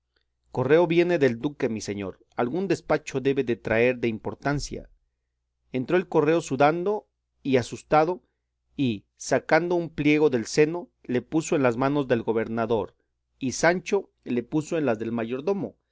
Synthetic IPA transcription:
ko̞re̞o̞βje̞ne̞ðe̞ld̪uke̞mise̞ɲo̞̰ɾ | alɣund̪e̞spat͡ʃo̞ðe̞βe̞ðe̞t̪ɾae̞ɾðe̞impo̞ɾt̪ansja̰ | e̞nt̪ɾo̞elko̞re̞o̞suðand̪o̞ | iasust̪aðo̞ | i | sakand̪o̞umplje̞ɣo̞ðe̞lse̞no̞le̞puso̞e̞nlazmãno̞zðe̞lɣo̞βe̞ɾnaðo̞ɾ | isant͡ʃo̞ | le̞puso̞e̞nlazðe̞lmaʝo̞ɾðo̞mo̞

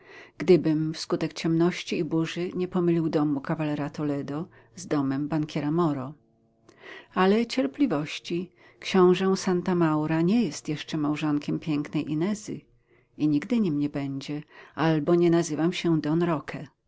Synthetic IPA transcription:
ɡ̥d̪ɘbɘmfskut̪ɛkt͡ɕɛmnɔɕt͡ɕiːbuʐɘɲɛpɔmɘlʲiwd̪ɔmukavalɛɾat̪ɔlɛd̪ɔ | zd̪ɔmɛmbaŋkʲɛɾamɔɾɔ | alɛt͡ɕɛɾplʲivɔɕt͡ɕi | kɕɔ̃w̃ʐɛ̃sant̪amawɾaɲɛjɛst̪jɛʂt͡ʂɛmawʐɔŋkʲɛmpʲjɛŋknɛjʔinɛzɘ̰ | iɲiɡd̪ɘɲimɲɛbɛɲd͡ʑɛʔalbɔɲɛnazɘvamɕɛd̪ɔnɾɔkʰɛ

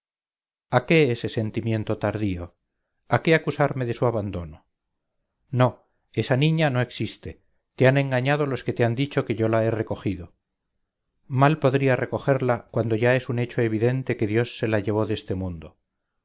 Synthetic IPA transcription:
ake̞esese̞nt̪imje̞nt̪o̞t̪aɾðio̞ | ake̞akusaɾme̞ðe̞suaβand̪o̞no | no̞ | e̞sanĩɲano̞e̞ksist̪e̞ | t̪e̞anẽ̞ŋɡaɲað̞o̞lo̞ske̞t̪e̞and̪it͡ʃo̞ke̞ʝo̞lae̞re̞ko̞xiðo̞ | malpo̞ðɾiarʔeko̞χe̞ɾlakwand̪o̞ʝae̞sune̞t͡ʃo̞e̞β̞iðe̞nt̪e̞ke̞ðjo̞sːe̞laʝe̞β̞o̞ðe̞st̪e̞mũnd̪o̞

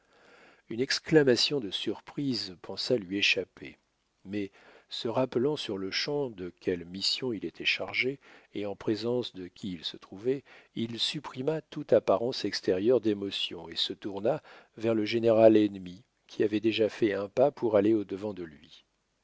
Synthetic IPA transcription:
ynɛksklamasjɔ̃d̪əsyʁpχizpɑ̃salɥieʃapḛ | mɛ | səʁaplɑ̃syʁləʃɑ̃d̪əkʲʰɛlmisjɔ̃ilet̪ʰɛʃaʁʒeeɑ̃pχezɑ̃sd̪əkʲiːlsət̪χuvɛilsypχimat̪ut̪apaʁɑ̃sɛkst̪eʁjœʁd̪emɔsjɔ̰̃esət̪uʁnavɛʁləʒeneʁalɛnmi | kʲʰiavɛd̪eʒafɛɛ̃papʰuʁaleod̪əvɑ̃d̪əlɥi

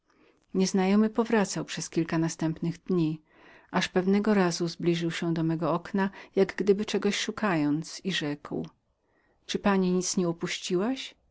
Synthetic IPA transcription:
ɲɛznajɔmɘpɔvɾat̪sawpʂɛskʲilkanast̪ɛmpnɘɣd̪ɲi | ʔaʂpɛvnɛɡɔɾazuzblʲiʐɘwɕɛ̃d̪ɔmɛɡɔɔknajaɡɡd̪ɘbɘt͡ʂɛɡɔɕʂukajɔnt̪siʐɛkw | t͡ʂɘpaɲiɲit̪sɲɛupuɕt͡ɕiwaɕ

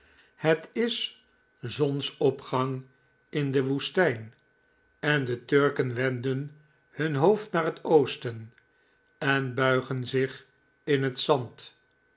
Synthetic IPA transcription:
hətɪs | zɔnsɔpχɑŋ | ɪndəʋustɛjn | ɛndətøɹkənʋɛndən | hɵnɦowftnaːɹətowstən | ɛnbœɥχənzɪχ | ɪnɦətsɑnt

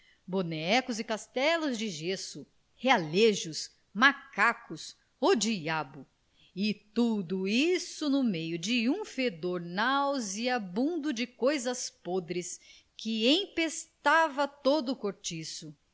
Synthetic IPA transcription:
bonɛkʊzɪkast̪ɛlʊzd͡ʒɪʒesʊ | healeʒʊs | makakʊs | od͡ʒiabʊ | ɪt̪ud̪ʊisʊnʊmejʊd͡ʒɪũfed̪oɾnawziabũnd̪ʊd͡ʒɪkojzɐspod̪ɾɪs | kɪẽj̃pest̪avɐt̪od̪ʊːkoɾt͡ʃisʊ

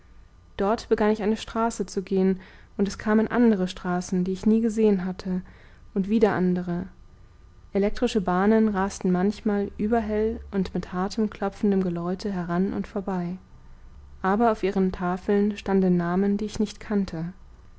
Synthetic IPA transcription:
d̥ɔɐtb̥əɡanɪçʔaɪnəʃtʁ̥aːsət͡suɡeːənʔʊntɛskʰaːmənʔa̰ndəʁ̞əʃtʁ̥aːsn̩diːɪçniːɡəzeːənɦatʰə | ʔʊntv̥iːdɐʔa̰ndəʁ̞ə | ʔelɛk̚tʁ̥ɪʃəbaːnənʁaːstn̩mançmaːlʔyːbɐɦɛlʔʊntmɪthaɐtʰəmkʰl̥ɔp͡fn̩dəmɡəlɔʏtʰəɦɛʁanʔʊ̰ntfoːɐbaɪ | ʔaːbɐaʊfʔiːʁəntʰaːfl̩nʃtandn̩ːaːməndiːɪçnɪçtkʰantʰə

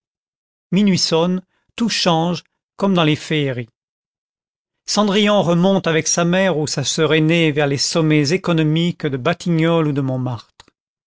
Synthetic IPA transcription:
minɥisɔn | t̪uʃɑ̃ʒ | kɔmd̪ɑ̃lefeːʁi | sɑ̃d̪ʁijɑ̃ʁəmɔ̃t̪avɛksamɛʁusasœʁenevɛʁlesɔmezekɔnɔmikd̪əbat̪ʰiɲɔlud̪əmɔ̃maʁt̪χ

